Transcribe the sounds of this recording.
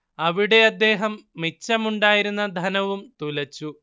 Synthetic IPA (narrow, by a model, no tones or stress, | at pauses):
ɐʋiɽe̞ɐd̪ːe̞ːɦɐmːit͡ɕːɐmuɳɖaːjiɾunːɐd̪ʱɐnɐʋumt̪ulɐt͡ɕːu